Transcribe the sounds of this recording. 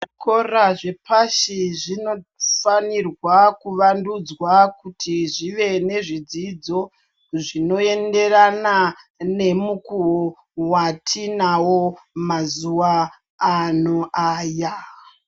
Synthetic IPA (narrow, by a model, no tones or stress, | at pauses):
ʐikoraʐe̞pʰaʃiʐino̞fanirwakuʋandud͡zwakutʰiʐiʋe̞ne̞ʐid͡zid͡zo̞ | ʐino̞e̞nde̞ranane̞mukuwo | watʰinawomazuwa | anoʔaːja